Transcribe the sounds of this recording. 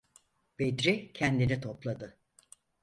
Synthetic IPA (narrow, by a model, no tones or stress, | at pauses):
b̥ed̪ɾicʰɛnd̪init̪ʰo̞plˠad̪ɯ